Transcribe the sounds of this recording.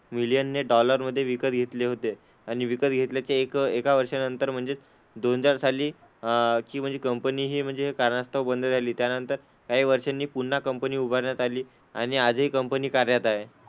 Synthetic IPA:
milijənːeɖɔləɾməd̪ʱːjeʋikət̪ɡʱet̪leɦot̪e | añiʋikət̪ɡʱet̪ljat͡sekekaʋəɾʂanənt̪əɾm̤əɳd͡zet͡s | d̪onɦəd͡zaɾsaliː | kiːm̤əɳd͡zekəmpəniːɦiːm̤əɳd͡zeɦekaɾnast̪ʰəʋbənd̪ʱəd͡zʱaliːt̪janənt̪əɾ | kaɦiːʋəɾʂanːiːpunːakəmpəniːubʱəɾɳjat̪aliː | a̰ɽ̃iad͡zɦiːkəmpəniːkaɾjat̪aɦe

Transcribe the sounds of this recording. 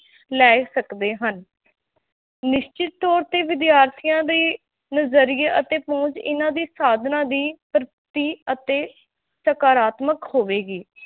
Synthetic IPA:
lɛːsəkd̪eːɦən | nɪʃt͡ʃɪt̪̚ːɔːɾt̪eːʋɪd̪jaːɾt̪ʰijãːd̪iː | nəzəɾieːʔət̪eːpɔ̃ːt͡ʃɪ̰nãːd̪iːsaːd̪ʱnãːd̪iːpɾət̪iːət̪eː | səkaːɾaːt̪məkhoːʋeːɡiː

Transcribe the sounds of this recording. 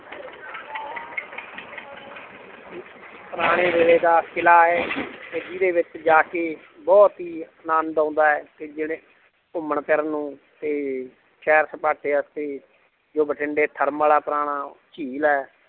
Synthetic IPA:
pəɾaːɽ̃eːʋeːleːd̪aːkʰɪlaːɛːt̪eːd͡ʒid̪eːʋɪt͡ʃd͡ʒaːkeː | bɔːt̪ɦiːənãːnd̪ãːnd̪aːɛːt̪eːd͡ʒeːɽeː | ʊməɳpɛɾnũːt̪eː | ʃɛːɾsəpaːʈeːəst̪eː | d͡ʒoːbəʈʰɪɳɖeːt̪ʰəɾməlaːpəɾaːɽ̃aːt͡ʃiːlɛː

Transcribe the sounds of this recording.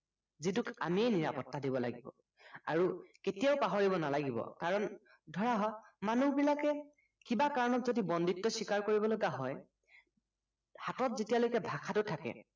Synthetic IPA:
zitʊka̰miɛniɹa̰pɔtːadibɔla̰ɡibɔ̰ | aɹuketijaʊpaɦoɹibɔnalaɡibɔ̰kaɹɔn | dʱɔɹaɦɔmanubilakɛ | kibakaɹɔnɔtzodibɔnditːɔsikaɹkoɹibɔloɡaɦɔj | hatɔtzetijalojkɛbʱakʰatʊtʰakɛ̰

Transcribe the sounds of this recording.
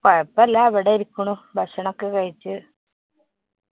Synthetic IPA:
pɐɻɐpːelːaɐʋiɽeiɾikʲːuɳubʱɐʂɐɳokːekɐɻit͡ɕːɨ

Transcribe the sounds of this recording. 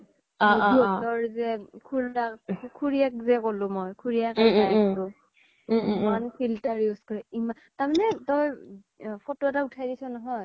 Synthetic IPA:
ɔɔtɔɹzɛkʰuɹlakkʰuɹiak̚zɛkolʊ̃mojkʰuɹijakaiktʊ | imanpʰiltaɹjuskɔɹɛima | taɹmanɛtɔj | fʰɔtoɛtautʰajdisɔnɔɦɔj

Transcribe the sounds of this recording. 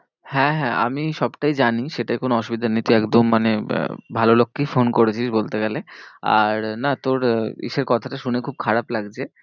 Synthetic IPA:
hɛ̃ɦɛ̃ʔa̰miʃɔbʈajd͡ʑaniʃeʈajkonoɔʃubid̪ʱanit̪uɛkd̪omːanḛbʱalolokːifonkoɾet͡ɕʰiʃbolt̪eɡɛlea̰ɾnat̪oɾḭʃeɾkɔt̪ʰaʈaʃunekʰub̚kʰaɾaplaɡd͡ʑʰe

